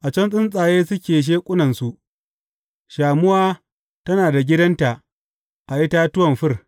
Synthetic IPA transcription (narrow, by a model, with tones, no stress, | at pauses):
ʔa˨t͡ʃɐ˦nsʼɪ˦nsʼaː˨jeː˦sʊ˦kʲeː˨ʃ̬eː˦kʷʼʊ˦nɐ˨nsu˨ʔ | ʃaː˨mʊ˦waː˦ | tɐ˦naː˨da˨ɡʲɪ˦dɐ˦nta˨ʔ | ʔa˨ʔɪ˦ta˦tʊ˦wɐ˨mɸɪ˦r